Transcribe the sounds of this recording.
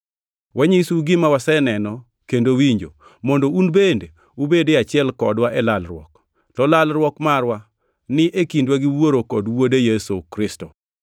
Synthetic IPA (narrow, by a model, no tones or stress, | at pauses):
wʔaɲisuɡɪmawasɛnɛnɔ | kendowiɲd͡ʒo | mɔndounbende | ubedeat͡ʃɪɛlkɔdwaʔɛlalrwɔ̰k | tɔlalɾwɔkmarwa | nɪʔekindwaɡɪwoɾokɔdwodejesokɾɪsto